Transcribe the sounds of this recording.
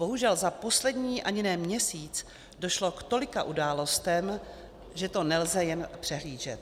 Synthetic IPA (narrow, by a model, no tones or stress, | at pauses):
bo̞ɦuʒɛlzapo̞slɛdɲiːʔaɲɪnɛːmɲɛsiːt͡s | doʃlo̞kt̪o̞lɪkaʔudaːlo̞st̪ɛm | ʒɛt̪o̞nɛlzɛjɛnpr̝̥ɛɦliːʒɛt̪